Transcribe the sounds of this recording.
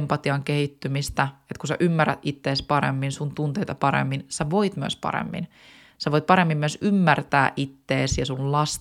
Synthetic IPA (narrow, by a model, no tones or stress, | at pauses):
mpɑt̪iɑŋkehit̪ːymist̪æet̪kusæʔymːærːæ̰t̪ʔit̪ːeːspɑɾḛmːinsunt̪unt̪eijt̪ɑpɑɾḛmːinsæʋoit̪myø̰spɑ̰ɾḛmːḭn | seʋoit̪̚pɑɾemːimːyøsymːært̪æːʔit̪ːeːsjɑsunlɑs